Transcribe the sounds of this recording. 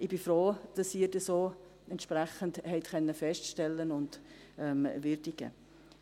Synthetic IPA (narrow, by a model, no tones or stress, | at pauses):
ɪb̥ɪfɾoːd̥ɑsiːɾd̥ɛsoː | ɛntʃpɾɛχənthɛɪtkʰœnːəfɛstʃtɛlːənʊnd | ɛmʋɪɾdiɡə̰